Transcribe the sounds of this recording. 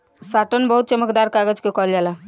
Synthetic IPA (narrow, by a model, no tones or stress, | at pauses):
saʈənbəɦut̪̚t͡ʃəməkd̪aɾkaɡəd͡ʒkekɔld͡ʒala